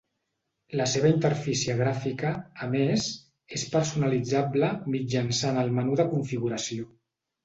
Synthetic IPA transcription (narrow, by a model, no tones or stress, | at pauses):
ləseβəint̪əɾfisiəɣɾafikəːmez | espəɾsunəlid͡zabləmid͡ʒənsanəlˠmənuðəkuɱfiɣuɾəsio